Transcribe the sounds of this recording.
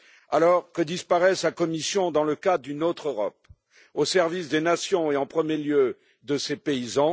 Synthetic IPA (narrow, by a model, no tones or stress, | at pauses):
alɔʁkəd̪ispaʁɛsakɔmisjɔ̃d̪ɑ̃ləkad̪ynot̪χøʁɔ̰p̚ | osɛʁvisd̪enasjɔ̃eɑ̃pχəmjeljø | d̪əsepeizɑ̃